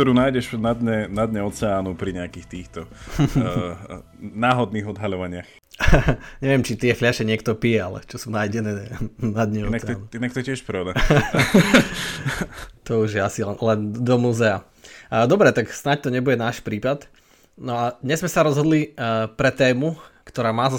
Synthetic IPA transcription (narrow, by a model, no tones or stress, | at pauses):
k̚t̪ɔɾuːnaːjɟɛʃnad̪ɲɛnad̪ɲɛɔt͡sɛaːnupɾiɲɛakiːxt̪iːxt̪ɔ | naːɦɔd̪̚niːɣɔd̪ɦaʎɔʋaɲɪax | ɲɛʋɛmt͡ʃit̪ɪɛflɪaʃɛɲɪɛkt̪ɔpijɛalɛ̰t͡ʃɔsunajɟɛnɛːnad̪ɲɛɔnat͡sɛnuinak̚t̪ɔcɪɛʃpɾɔd̪a | t̪ɔuʒjɛasilɛnlɛnd̪ɔmuːzɛa | d̪ɔbɾɛt̪aksnac̚t̪ɔɲɛbuɟɛnaːʃpɾiːpat̪ | nɔad̪ɲɛzmɛsaɾɔzɦɔd̪lipɾɛt̪ɛːmukt̪ɔɾaːmaːza